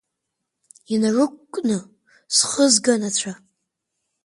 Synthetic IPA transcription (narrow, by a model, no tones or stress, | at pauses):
inarɨkʷkʷʼnɨ | sχəzɡanat͡ɕʷʰa